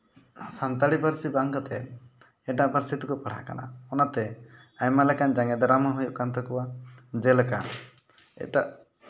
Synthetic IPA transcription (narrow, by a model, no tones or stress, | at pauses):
sant̪aɽibaɾsibaŋkat̪ɛn | ɛʈaʔbəɾsit̪kɔpaɽ̤a̰ka̰na̰ɔnat̪ɛ | ajmalɛkand͡ʒaŋɛd̪ɔɾamaɦujuʔkant̪ɛkɔwad͡ʒɛlka̰n | ɛ̰ʈaʔ